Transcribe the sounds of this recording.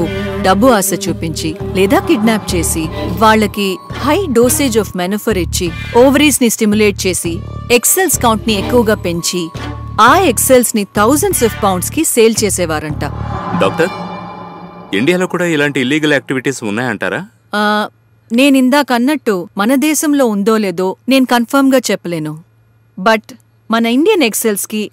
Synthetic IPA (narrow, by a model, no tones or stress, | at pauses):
uɖɐbːuaːsɐt͡ʃuːpiɲt͡ʃilɛːd̪aːkiɖnaːp̚t͡ʃe̞ːsiʋaːɭːɐkihɐjɖo̞ːseːd͡ʒɔːfmɐnuːfʰɐɾit͡ʃːioːʋɐɾiːsnisʈimjule̞ːʈ̚t͡ʃe̞ːsiekselskɐwɳʈniekːuʋɐɡaːpe̞ɲt͡ʃi | aːekselsnit̪ʰɐwzɐɳsɐːfpɐwɳɖskiseːlt͡ʃeːsɛːʋaːɾɐɳʈaːɖa̰ːk̚ʈɐɾ | iɳɖijaːlo̞ːkuːɽaːilaːɳʈiːlːiːɡɐleːk̚ʈiʋiʈiːsunːaːjɐɳʈa̰ːɾaː | ne̞ːnind̪aːkɐnːɐʈːumɐnɐd̪ɛːʃɐmlo̞ːund̪o̞ːle̞ːd̪o̞ːne̞ːnukɐnpʰɐɾmɡaːt͡ʃɛpːɐle̞ːnu | bɐʈ | mɐnɐiɳɖijɐnekse̞lski